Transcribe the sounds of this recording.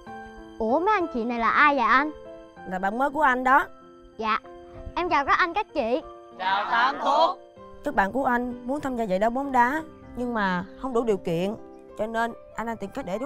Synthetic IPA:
ʔu˧˩əməː˨˦jʔa˧nt͡ɕḭ˧˨na˨˩jlaː˨˩ʔaː˧jlaː˨˩ʔa˧n | laː˨˩ɓa̰ː˧˩nməː˨˦jku˧˩əʔa˧jŋ̟ɗɔ˨˦ | za̰ː˧˨ʔɛ˧mzaː˨˩wkɔ˨˦ʔa˧n̟kaː˦˥k̚t͡ɕḭ˧˨˩ | kaː˦˥k̚ɓa̰ː˧˨nku˧˩əʔa˧jŋ̟mu˨˦nt̪ʰaː˧mzaː˧zə̰˧˨jɗɔ˨˦ɓo˨˦mɗaː˨˦ | ɲɨ˧ŋmaː˨˩hə˧wŋ͡mɗu˧˩˦ɗi˨˩əwkḭ˧˨ən | t͡ɕɔ˧ne˧nʔa˧nʔaː˧nt̪i˨˩ŋka˦˥k̚ɗe˧˩ɗ

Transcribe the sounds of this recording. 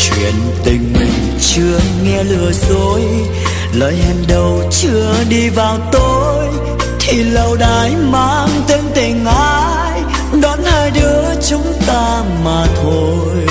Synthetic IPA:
t͡ɕwḭ˧˨˩ənt̪ï˨˩ŋ̟mï˨˩ŋ̟ | t͡ɕɨ˧əŋɛ˧lɨ˨˩əzo˨˦j | ləː˨˦jhɛ˧˩nɗə˨˩wt͡ɕɨ˧əɗi˧vaː˨˩wt̪o˧ | j | t̪ʰi˨˩lə˨˧˩wɗaː˨˩˦jmaː˧˩ŋt̪i˨˦əŋt̪ï˨˩ŋ̟ʔaː˧ | j | ɗɔ˨˦nhaː˧jɗɨ˨˦ət͡ɕʊ˨˦ŋ͡mt̪aː˧ | maː˨˩t̪ʰo˧ | jj

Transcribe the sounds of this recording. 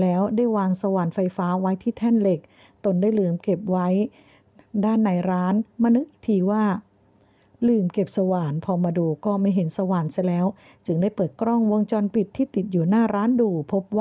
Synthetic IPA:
lɛː˦˥wdaː˥˩jwaː˧ŋsa˧waː˨˩nfa˧jfaː˦˥wa˦˥jt̪ʰiː˥˩t̪ʰɛ˥˩nle˨˩k̚ | t̪o˧nda˥˩jlɯː˨˩mke˨˩p̚wa˦˥j | daː˥˩nːa˧jɾaː˦˥nmaː˧nɯ˦˥k̪̚ʔi˨˩k̚t̪ʰiː˧waː˥˩ | lɯː˨˩mke˨˩p̚sa˧waː˨˩npʰɔː˧maː˧duː˧kɔː˥˩ma˥˩jɦe˩˦nsa˧waː˨˩nsa˧˦jlɛː˦˥w | t͡ɕɯ˧ŋdaː˥˩jpɤː˨˩t̪̚kɾɔ˥˩ŋwo˧ŋt͡ɕɔː˧npi˨˩t̪ʰːiː˥˩t̪i˨˩t̪̚juː˨˩naː˥˩ɾaː˦˥nduː˧pʰo˦˥p̚waː˥˩

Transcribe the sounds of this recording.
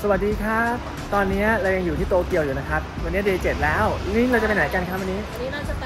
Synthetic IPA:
sa˧wa˨˩t̪̚diː˧kʰa˦˥˩ | t̪ɔː˧nːi˦˥ɐɾa˧wja˧ŋju˨˩iː˥˩t̪oː˧ki˧əwjuː˨˩na˦˥kʰɾa˦˥p̚wa˧nːi˦˥ɐ˧deː˧t͡ɕe˨˩t̪̚lɛː˦˥wni˥˩ŋɾa˧wt͡ɕa˨˩pe˧naː˨˩˦ka˧nkʰaː˦˥˩wa˧nːiː˦˥˦

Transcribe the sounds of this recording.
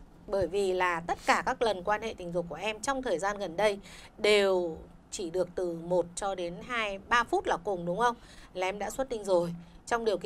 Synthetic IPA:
ɓəː˧˩jvi˨˩laː˨˩t̪ə˦˥t̚kaː˧˩kaː˦˥k̚lə˨˩nkwaː˧nhḛ˧˨t̪ï˨˩ŋ̟zʊ˨˩ku˧˩əʔɛ˧mt͡ɕɔ˧wŋ͡mt̪ʰəː˨˩jzaː˧nɣə˨˩nɗə˧jɗe˨˩w | t͡ɕi˧˩ɗɨ˨˩ək̚t̪ɨ˨˩mo˨˩t̚t͡ɕɔ˧ɗe˨˦nɦaː˧jɓaː˧fu˦˥t̚laː˨˩kʊ˨˩ŋ͡mɗʊ˨˦wŋ͡mxə˧wŋ͡m | laː˨˩ʔɛ˧mɗa̰ː˧˥swə˦˥t̚ɗï˧ŋ̟zo˨˩jt͡ɕɔ˧wŋ͡mɗi˨˩əwkḭ˧

